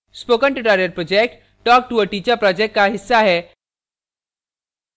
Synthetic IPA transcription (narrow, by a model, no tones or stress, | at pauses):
spokəɳʈɪʈaɾjəɾ̚pɾɔd͡ʑek̚ʈ | ʈɔːk̚ʈuəʈit͡ɕapɾɔd͡ʑek̚ʈkːaɦisːaɦɛ